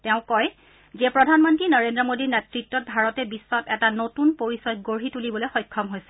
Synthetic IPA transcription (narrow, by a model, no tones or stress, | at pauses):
tɛʊ̃kɔj | zɛpɹɔdʱanmɔntɹinəɹendɹɔmodinɛtɹitːɔt̚bʱaɹɔtɛbisːɔtɛtanotunpoɹisɔjɡoɹitulibɔlojxɔjkʰːɔmɦojsɛ̥